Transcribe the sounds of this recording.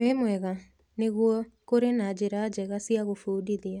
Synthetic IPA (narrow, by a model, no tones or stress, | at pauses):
emwɛɣa | neɣuɔkoɾenad͡ʑeɾad͡ʑɛɣasiaɣofuːdiðia